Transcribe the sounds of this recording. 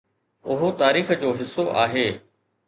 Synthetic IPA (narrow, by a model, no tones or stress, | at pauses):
ʊɦot̪aːɾiːxəd͡ʑoːɦɪsoʔa̰ːɦeː